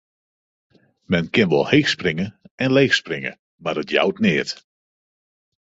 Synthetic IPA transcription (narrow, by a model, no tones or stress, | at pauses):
mɛnkɪnʋɔ̰lˠheːxsprɪŋəɛnlejxsprɪŋə̰ | madətja̰wtnɪːət